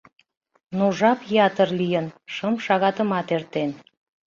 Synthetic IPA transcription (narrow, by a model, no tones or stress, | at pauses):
nuʒɑpjɑt̪ərlijənʃəmʃɑɣɑt̪əmɑt̪ert̪en